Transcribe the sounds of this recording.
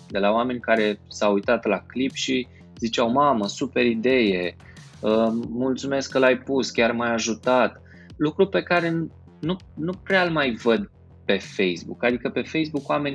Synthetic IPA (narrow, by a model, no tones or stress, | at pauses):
d̪e̞laoame̞nʲkaɾe̞sawujt̪at̪laklipʃi | zit͡ʃawmaməsupe̞ɾid̪e̞je̞ | əmult̪sume̞skːəlajpuskʲarmajaʒut̪at̪ | lukɾupe̞kaɾe̞ | nu | nupɾealmajvəd̪ | pe̞fe̞jsbṵkad̪ikəpe̞fe̞jsbukwame̞nʲ